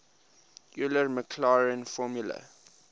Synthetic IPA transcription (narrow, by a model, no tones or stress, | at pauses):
juləɹməkʰlaɹə̃nfɔmjulə̰